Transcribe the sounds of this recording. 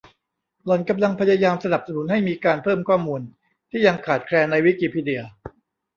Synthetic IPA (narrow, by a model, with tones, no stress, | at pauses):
lɔ˨˩˦nka˧mla˧ŋpʰa˧jaː˧jaː˧msa˧na˨˩p̚sa˧nu˩˦nha˥˩jmiː˧kaː˧npʰɤː˥˩mkʰwɔː˥˩mːuː˧n | t̪ʰiː˥˩ja˧ŋkʰaː˨˩t̪̚kʰɾɛː˧nːa˧jwi˦˥kiː˧˩pʰiː˧di˧˩ɐ